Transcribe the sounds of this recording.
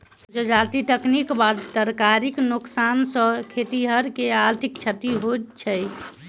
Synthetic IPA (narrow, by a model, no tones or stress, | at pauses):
d͡ʒed͡ʒaɾt̪iʈəknikbad̪t̪əɾkaɾiknuksansə̃kʰet̪iɦəɾkeaɾt̪ʰik̚t͡ʃʰət̪iɦot͡ʃʰəj